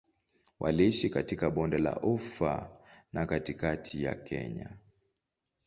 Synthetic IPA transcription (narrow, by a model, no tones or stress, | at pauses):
wʔa̰liʃikatikaɓɔndɛla̰ʔufa̰nakatikatʰija̰kʰɛ̰ɲa